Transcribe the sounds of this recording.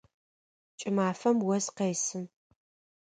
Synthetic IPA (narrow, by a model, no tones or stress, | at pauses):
t͡ʃʼɪmaːfɐmwɐzqeːsɨn